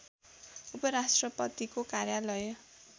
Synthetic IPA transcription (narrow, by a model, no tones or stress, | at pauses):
upʌɾasʈrʌpʌt̪ikokaɾjalʌj